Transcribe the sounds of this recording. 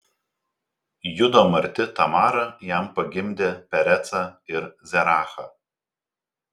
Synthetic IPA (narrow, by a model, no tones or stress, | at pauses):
jʊd̪oːmɐɾʲt̪ʲɪt̪ɐmɑːɾɐjæˑmpɐɡʲɪmʲd̪ʲeːpʲɛɾʲɛt̪sɑɪɾzʲɛɾɑːxɐː